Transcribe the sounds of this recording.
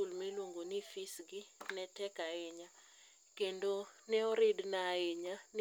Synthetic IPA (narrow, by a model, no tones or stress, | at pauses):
ulmiluŋɡunifisɡinɛtʰɛɡ̥ʱaɛɲa | ɡ̥ɛndʱʼɔnɛɔɾidnaɛɲan